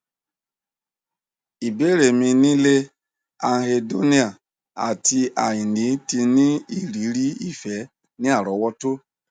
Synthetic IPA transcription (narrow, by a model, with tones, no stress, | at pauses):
i˨be˦ɾe˨mĩ˧nĩ˦le˦ | a˨ɦe˧do˦ni˦a˨ | a̰˨ti˧a˨ji˨ni˨˦ti˧ni˦i˦˨ɾi˨˦ɾi˦i˨fɛ˨˦ | nĩ˦a˦˨ɾɔ˨˦wɔ˦to˦